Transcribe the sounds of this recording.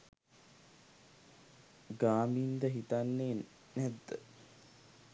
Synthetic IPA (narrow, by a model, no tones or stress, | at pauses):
ɡaːmiːnd̪əɦit̪anːeː | næd̪ːə